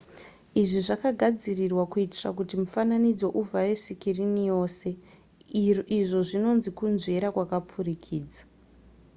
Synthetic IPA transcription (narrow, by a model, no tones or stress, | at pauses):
iʐiʐakaɡʱad͡zirirwakuitira̰k̬utimufananid͡zo̞ʔuvʱare̞sikirinijo̞ːse̞ | iʐo̞ʐino̞nzikunze̞ɾakwakap͡fuɾikʰiːd͡zḁ